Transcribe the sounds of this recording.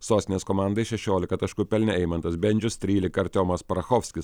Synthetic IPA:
soːsʲɪnʲeːskɔmɑˑnd̪ɐɪʃʲɛʃʲoːlʲɪkɐt̪ɐʃkʊpʲɛlʲnʲɛɛɪmɐnt̪ɐsbʲɛnʲd͡ʒʲʊst̪ʲɾʲiːlʲɪkɐɾt̪ʲoːmɐspɐɾɐxɔːfʲsʲkʲɪs

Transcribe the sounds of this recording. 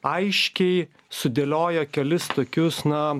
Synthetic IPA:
ɐɪʃʲkʲɛɪ | sʊd̪ʲelʲoːjokʲɛlʲɪst̪oːkʲʊsnɐ

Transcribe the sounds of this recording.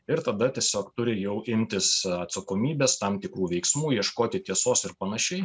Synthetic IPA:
ɪɾt̪ɐd̪ɐt̪ʲiɛsʲoːkt̪ʊɾʲɪjɛʊʔɪmʲt̪ʲɪsɐt̪sɐkoːmʲiːbʲeːst̪ɐmt̪ʲɪkɾuːʋʲɛɪksmuːjiɛʃkoːt̪ʲɪt̪ʲiɛsoːsɪɾpɐnɐʃʲɛɪ

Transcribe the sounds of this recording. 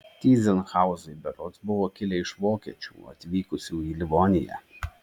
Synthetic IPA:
t̪ʲiːzʲɛnxɑˑʊzɔɪbʲɛɾɔt̪sbʊʋoːkʲɪlʲɛɪʃʋoːkʲḭɛt͡ʃʲṵːɐ̰t̪ʲʋʲiːkʊsʲuːiːlʲɪʋoːnʲɪjɛ̰

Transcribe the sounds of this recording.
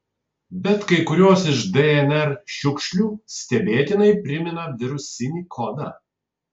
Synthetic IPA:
bʲɛt̪kɐɪkʊɾʲuɔsɪʃd̪ɛɛnʲɛɾʃʲʊkʃʲlʲuːsʲt̪ʲɛbʲeːt̪ʲɪnɐɪpʲɾʲɪmʲɪnɐʋʲɪɾʊsʲɪnʲiːkʰoːd̪ɐ

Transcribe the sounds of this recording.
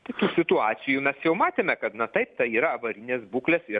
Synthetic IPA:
t̪ɐɪt̪uːsʲɪt̪ʊɑːsʲɪjumʲɛsjɛʊmɑːt̪ʲeːmʲɛkɐt̪nɐt̪ɐɪp̚t̪ɐiːɾɐɐʋɐɾʲɪnʲeːsbuːklʲesɪ

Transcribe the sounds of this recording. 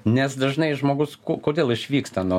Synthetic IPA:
nʲɛsd̪ɐʒnɐɪʒmoːɡʊskukoːd̪ʲeːlˠɪʃʲʋʲiːkst̪ɐnu

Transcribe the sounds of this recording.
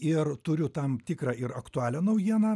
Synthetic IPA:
ɪrt̪ʊɾʲʊt̪ɐmt̪ʲɪːkɾɑːɪɾɐkt̪ʊɑːlʲɛnɐʊjiɛnɐː

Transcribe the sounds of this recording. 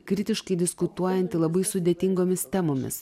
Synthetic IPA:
kɾʲɪt̪ʲɪʃkɐɪd̪ʲɪskʊt̪uɔjɛnʲt̪ʲɪlˠɐbɐɪsʊd̪ʲeːt̪ʲɪŋɡoːmʲɪst̪ʲɛmoːmʲɪ̰s

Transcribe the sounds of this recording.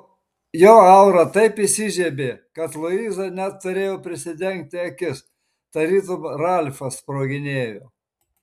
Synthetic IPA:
joːɐʊɾɐt̪ɐɪpisʲɪʒʲɛbʲeːkɐt̪lˠʊiːzɐnʲɛt̪ːʊɾʲeːjoːpʲɾʲɪsʲɪd̪ʲɛŋʲk̚t̪ʲɪɐkʲɪs | t̪ɐɾʲiːt̪ʊmɾɑlʲfɐspɾoːɡʲɪnʲeːjoː

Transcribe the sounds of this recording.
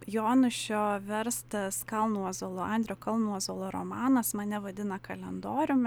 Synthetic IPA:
joːnʊʃʲoːʋʲɛɾst̪ɐskɐlˠnuɔzoːlˠoːɐnʲd̪ʲɾʲejoːkɐlˠnuɔzoːlˠoːɾo̰mɑːnɐsmɐnʲɛʋɐd̪ʲɪnɐkɐlʲɛnd̪oːɾʲʊm

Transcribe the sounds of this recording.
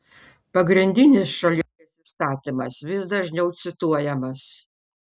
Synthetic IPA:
pɐɡɾʲɪnʲd̪ʲɪnʲɪsʃɐlʲɛpʲɪsʲɪst̪ɑːt̪ʲɪmɐ̰sʋʲɪsd̪ɐʒʲnʲɛʊt̪sʲɪt̪uɔjɛmɐs

